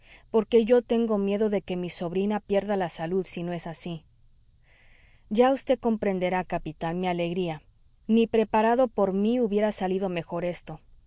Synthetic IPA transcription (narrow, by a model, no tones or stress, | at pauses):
po̞ɾke̞ʝo̞t̪e̞ŋɡo̞mje̞ðo̞ðe̞ke̞miso̞βɾinapje̞ɾðalasaluðsino̞e̞sasi | ɟ͡ʝaust̪e̞ðko̞mpɾe̞nd̪e̞ɾakapit̪anmiale̞ɣɾia | nipɾe̞paɾaðo̞po̞ɾmiuβje̞ɾasaliðo̞me̞xo̞ɾe̞st̪o̞